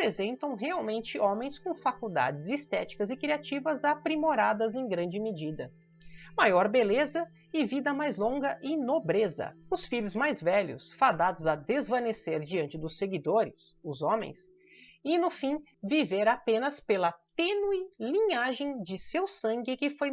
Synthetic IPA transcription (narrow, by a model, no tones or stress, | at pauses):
pɾezẽnt̪ɐ̃w̃ɦeawmẽnt͡ʃɪʔõmẽj̃skõw̃fakuwd̪a̰d͡ʒɪzist̪ɛt͡ʃi̥kɐzɪkɾiat͡ʃivɐzapɾimoɾad̪ɐzẽj̃ɡɾɐ̃nd͡ʒɪmed͡ʒid̪ɐ | majɔɾbelezɐ | ɪvid̪ɐmajzlõŋɡɐʔɪnobɾezɐ̰ʊsfiʎʊzmajzvɛʎʊ̰sfad̪ad̪ʊzɐd̪ezvɐ̃neseɾd͡ʒiɐ̃nt͡ʃɪd̪ʊsːeɡid̪oɾɪ̰sʊzõmḛ̃j̃s | ɪnʊfĩ | viveɾapẽnɐspelɐt̪enuɪlĩɲaʒẽj̃d͡ʒɪsewsɐ̃ŋɡɪkɪfoj